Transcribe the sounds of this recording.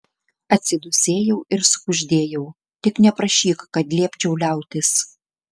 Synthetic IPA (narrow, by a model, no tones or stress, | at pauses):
ɐt̪ʲsʲɪd̪ʊsʲeːjɛʊɪɾsʊ̥kʊʒʲd̪ʲeːjɛʊ | t̪ʲɪknʲɛpɾɐʃʲiːkkɐt̪lʲiɛpʲt͡ʃʲɛʊlʲæˑʊt̪ʲɪs